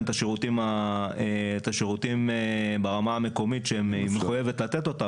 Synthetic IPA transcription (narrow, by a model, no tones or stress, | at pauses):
t̪aʃeʁut̪imaet̪aʃeʁut̪imebeʁamaːme̞ko̞mitʃeemimeχujevetlat̪et̪o̞t̪a